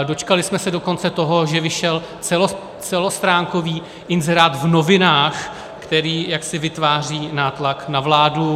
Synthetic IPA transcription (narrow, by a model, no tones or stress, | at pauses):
do̞t͡ʃkalɪsmɛsɛdo̞ko̞nt͡sɛt̪o̞ɦo̞ʒɛvɪʃɛl | t͡sɛlo | t͡sɛlost̪ɾaːŋko̞viː | ʔɪnzɛɾaːt̪vnovɪnaːx | kt̪ɛɾiːjaksɪvɪt̪vaːr̝iːnaːt̪laknavlaːdu